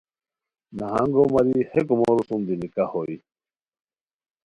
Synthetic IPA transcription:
naɦaŋɡomaɾihekumoɾusumd̪inikahoi

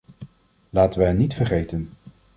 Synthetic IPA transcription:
laːtəʋəɦɛnːitfəɹχejtən

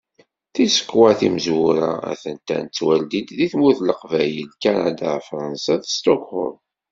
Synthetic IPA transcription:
θisə̥kːwæθiməzwuɾa̰æ̰θənt̪æ̰nt͡sːwæld̪id̪ðiθmuθləqvæjəlkanad̪afɾˤɑnsaθst̪okhʊ̰l

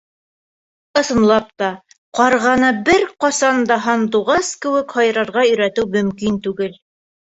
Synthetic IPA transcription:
ɤ̆sɤ̆mlˠɑp̚t̪ɑ | qɑɾʁɑnɤbɘɾqɑsɑnd̪ɑɦɑnd̪uʁɑskɘ̆wɘkhɑj̆ɾɑɾʁɑɵ̆jɾæt̪ɘwmɵ̆mkint̪ʉɡɘl

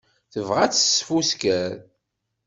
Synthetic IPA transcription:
θəvʁæt͡sːə̥sfuskæɾ

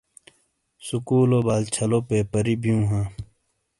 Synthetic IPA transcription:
sukuːloːbaːlt͡ɕʰɐloːpeːpəɾiːbijũːɦãː

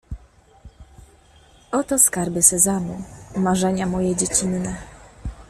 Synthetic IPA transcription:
ɔt̪ɔskaɾbɘsɛzamumaʐɛɲamɔjɛd͡ʑet͡ɕinːɛ

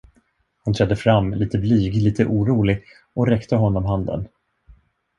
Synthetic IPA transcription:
hʊnt̪ʰɾɛd̪ːəfɾamːliːt̪əblyːɡliːt̪ʰəʔuːɾuːlɪɡ | ʔɔɾɛkt̪əɦɔnːɔmɦand̪ə̰n

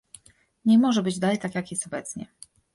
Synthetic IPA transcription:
ɲɛmɔʐɛbɘd͡ʑd̪alɛjt̪akjakjɛst̪ɔbɛt̪sɲɛ̰

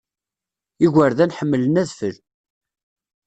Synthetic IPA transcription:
iʝʷəɾðænħəmːələnæðfəl

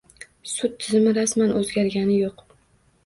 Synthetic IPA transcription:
sʊt̪ʰːɪzɪmɪɾasmanʔɵzɡʲaɾɡʲanɪjoq

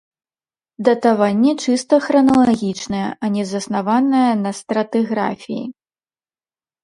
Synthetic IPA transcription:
d̪ɐt̪avanʲːɛt͡ʂɨst̪ɐxɾɐnɐlˠaɣʲit͡ʂnɐjɛ̰ʔɐnʲɛzɐsnavanɐjɐnɐst̪ɾɐt̪ɨɣɾa̰fʲijḭ

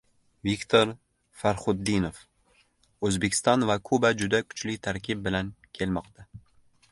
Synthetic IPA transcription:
vikʲt̪ʰoɾ | faɾχʊd̪ːinof | ɵzbekʲʰɪ̥st̪ɒnvakʰʊbad͡ʒʊd̪akʰʊ̥t͡ʃlɪt̪ʰaɾkʲɪb̚bɪlankʲʰe̞lmɒqt̪ʰa

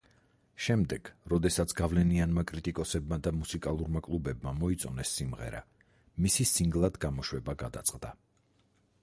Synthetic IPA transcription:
ʃɛmd̪ɛɡ̥ɾɔd̪ɛsat̪sʰɡ̥avlɛnianmakʼɾit̪ʼikʼɔsɛbmad̪amusikʼalˠuɾmakʼlˠubɛbmamɔit̪sʼɔnɛsːimʁɛ̰ɾa̰ | misisiŋɡlˠad̪ɡamɔʃwɛbaɡad̪a̰t̪sʼqʼd̪a

